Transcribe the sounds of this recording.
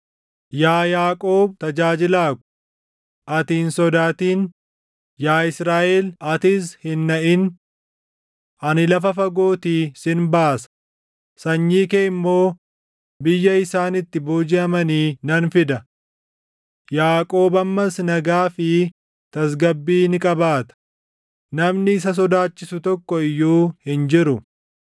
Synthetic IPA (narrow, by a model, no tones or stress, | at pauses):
jaːjaːkʼo̞ːb̚t̪ɐd͡ʒaːd͡ʒɪlaːkʊ̥ | ʔɐt̪iːnsɔd̪aːt̪iːn | jaːɪsɾaːʔɛlɐt̪ishɪnːɐʔɪn | ɐnɪlɐfɐfɐɡo̞ːt̪iːsɪnbaːsɐ̥ | sɐɲːiːkeːɪmːo̞ː | bɪjːɐɪsaːnɪt̪ːɪboːd͡ʒɪɐmɐniːnɐnfɪd̪ɐ | jaːkʼo̞ːbɐmːɐsnɐɡaːfɪ | t̪ɐs̬ɡɐbːiːnɪkʼɐbaːt̪ɐ̥ | nɐmnɪːs̬ɐs̬ɔd̪aːt͡ʃːɪsʊt̪ɔkːɔɪjːuːhɪnd͡ʒɪɾʊ